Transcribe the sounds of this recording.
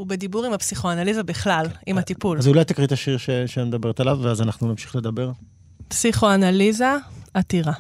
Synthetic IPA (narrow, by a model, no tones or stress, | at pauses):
ubed̪ibuʁimhapsiχoanalizabiχlalimat̪ipulazulajt̪ikʁit̪aʃiʁʃeʃeamed̪abeet̪alavveazanaχnunamʃi̥χle̞d̪ɐbe̞ʁ | psiχo̞analizaat̪iʁa